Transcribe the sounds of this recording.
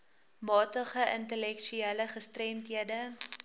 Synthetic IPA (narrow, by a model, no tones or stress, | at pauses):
mɑːtəχəʔəntəlɛkʃyiːləχəstrɛmtɦiədə